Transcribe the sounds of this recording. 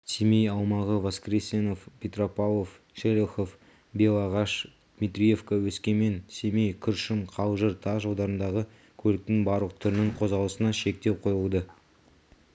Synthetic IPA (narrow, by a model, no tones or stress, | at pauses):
simejɑlˠmɑʁəvoskrʲeseno̞fpʲet̪ropalˠo̞f | ʃelʲeχof | be̞lˠɑʁɑʃ | dd̪mit̪ɾʲije̞fkawɵskʲe̞me̞nsemejkʲʰʏɾʃɪmqʰɑwʒəɾt̪ʰɑʒɑwˠd̪ɑɾənd̪ɑʁə | kʲʰɵlɪk̚t̪ɪŋbɑɾlˠəq̚t̪ʰʏɾɪnɪŋɴqʰo̞zʁɑlˠəsənɑʃe̞k̚t̪e̞wqʰo̞jəlˠd̪ə